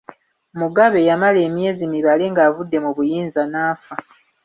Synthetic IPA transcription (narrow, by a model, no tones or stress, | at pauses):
muɡaβe̞jamale̞ːmje̞ːzimiβaleŋɡaːvudːe̞muβujiːnzanaːfa